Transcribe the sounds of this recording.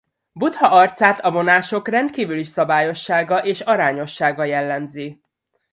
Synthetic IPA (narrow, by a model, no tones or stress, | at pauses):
but̪hɒʔɒrt̪saːt̪ɒvo̞naːʃo̞krɛnt̪kiːvyliʃsɒbaːjo̞ʃːaːɡɒʔeːʃɒɾaːɲo̞ʃːaːɡɒjɛlːɛmzi